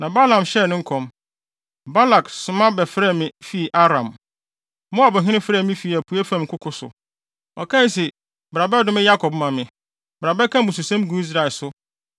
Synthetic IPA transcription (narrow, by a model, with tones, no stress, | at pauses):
nã˨ba˦lã˨mɕɛ˦˨nʊ̃˦ŋ̩˦kʰɔ̃˨m | ba˦la˨ksʊ˨mã˦bɛ˨fɾɛ˦˨mɪ̃˨fi˦˨ʔa˦ɾã˨m | mʊ̃˦a˨bʊ˨ɦɪ̃˦nɪ̃˦fɾɛ˦˨mɪ̃˦fi˦˨æ˨pʰu˨˦ɛ˦fã˦m̩˨kʰʊ˦kʰʊ˦sʊ̰˨ | ɔ̰˨kʰã˦n˦s̬i˨ | bɾa˨bɛ˦dʊ̃˦mɪ̃˦ja˦kʰɔ˨bmã˨mɪ̃˨ | bɾa˨bɛ˦kʰã˦˨bʊ˨s̬u˨sã˦m˦ɡũ˦i˦s̬ɾa˨ɛ˨lsʊ˦